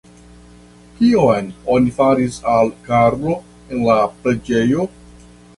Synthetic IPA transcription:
kiojno̞nifaɾisalkaɾbo̞ | e̞nlapɾe̞d͡ʒe̞jo̞

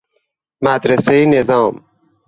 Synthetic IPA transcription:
mad̪ɾɐseinezɑːm

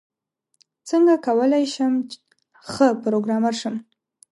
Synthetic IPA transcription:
t͡səŋɡakawəlajʃəm | xəpɾoɡɾɑmaɾʃəm

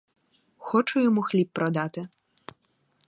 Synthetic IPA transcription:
xɔt͡ʂʊjɔmuxlʲipːɾɔd̪at̪ɪ

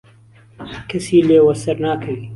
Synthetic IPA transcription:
kʰɐsiːleːwɐsɐɾnaːkʰɐwiː

